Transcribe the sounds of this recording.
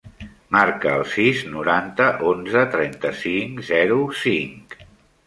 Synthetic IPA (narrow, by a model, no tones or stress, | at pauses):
maɾkəːlˠsiznuɾant̪əʔonzət̪ɾɛnt̪əsiŋkzɛɾusiŋk